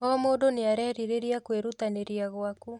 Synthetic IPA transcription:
ɔmoːdoneaɾɛɾiɾeɾiakweɾutaneɾiaɣwaku

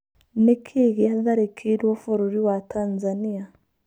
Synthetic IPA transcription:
nekʰeɣeaðaɾekʰeɾwɔfoɾoɾiwatanzania

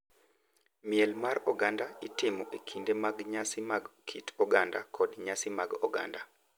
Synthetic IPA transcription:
miɛlmarɔɡandaitɪmɔʔekʰindemaɡɲasimaɡkʰitɔɡanda̰kʰɔdɲasimaɡɔ̰ɡa̰nda

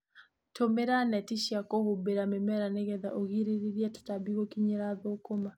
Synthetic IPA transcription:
tomeɾanɛtiʃiakoβobeɾamemɛɾaneɣɛðaʔoɣiɾeɾeɾjɛto̥tabiɣokiɲeɾaðoːkoma

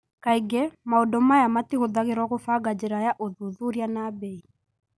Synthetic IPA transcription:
kaiɡɛmaodɔmajamatiɣoðaɣeɾwɔɣofaɡad͡ʑeɾajaʔoðuðuɾjanabɛi

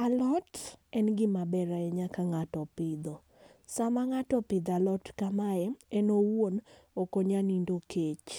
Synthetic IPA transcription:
alɔtɛnɡɪmabɛɾaɛɲakaŋatɔpɪd̪ɔ | samaŋatɔpɪd̪alɔtkamaɛɛnowwon | okoɲanindokʰet͡ʃ

